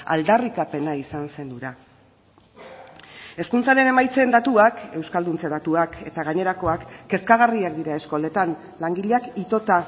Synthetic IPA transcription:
a̰ld̪arikape̞naisanse̞nd̪uɾa | e̞skunt͡saɾe̞ne̞majt͡send̪at̪uake̞wskald̪unt͡seð̞at̪uakʰe̞t̪aɣaɲe̞ɾako̞akːe̞skaɣariakd̪iɾae̞sko̞le̞t̪an | laŋɡiʎeakit̪o̞t̪a

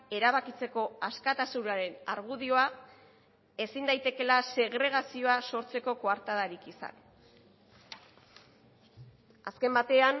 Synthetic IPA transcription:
e̞ɾaβakit͡se̞ko̞askat̪asunaɾe̞naɾɣ̞uðio̞a | e̞sind̪ajt̪e̞ke̞lase̞ɣɾe̞ɣ̞asio̞aso̞ɾt͡se̞ko̞koaɾt̪aðaɾikisa̰n | aske̞mbat̪e̞an

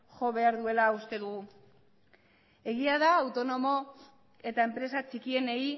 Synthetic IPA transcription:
ʝo̞βe̞aɾðue̞laust̪e̞ðuɣ̞u | e̞ɣ̞iað̞aːwt̪o̞no̞mo̞ | e̞t̪ae̞mpɾe̞sat͡ʃikie̞nei

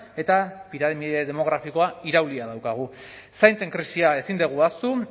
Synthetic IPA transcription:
e̞t̪apiɾaðmieðe̞mo̞ɣ̞ɾafiko̞aiɾawliað̞awkaɣ̞u | sajnt͡se̞ŋkɾisiae̞sind̪eɣ̞uast̪u

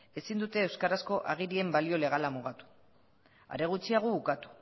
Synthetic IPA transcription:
e̞sind̪ut̪e̞ːwskaɾasko̞ʔaɣ̞iɾie̞mbalio̞le̞ɣalamuɣ̞at̪u̥ | a̰ɾe̞ɣ̞ut͡siaɣ̞oβukat̪u̥

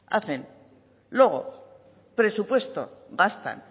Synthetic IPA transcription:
a̰θe̞n | lwe̞ɣ̞o̞̰ | pɾe̞supwe̞st̪o̞̰ɣast̪a̰n

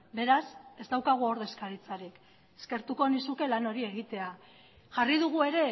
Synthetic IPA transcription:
be̞ɾase̞zd̪awkaɣ̞uoɾðe̞skaɾit͡saɾik | e̥ske̞ɾt̪uko̞nisuke̞lano̞ɾie̞ɣit̪e̞a | ʝariðuɣ̞ue̞ɾe̞

